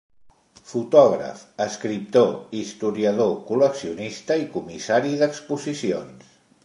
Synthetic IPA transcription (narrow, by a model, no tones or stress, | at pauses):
fut̪ɔɣɾə̰fəskɾip̚t̪oist̪uɾiəð̞okuləksiunist̪əikumisaɾiðəkspuzisions